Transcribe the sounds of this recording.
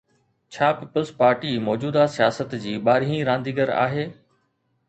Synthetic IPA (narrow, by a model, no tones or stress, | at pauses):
t͡ɕʰaːpɪpəlspaːɾʈimɔːd͡ʑuːd̪asijaːsət̪d͡ʑiːɓaːɾiĩɾãːnd̪iːɡəɾa̰ːɦeː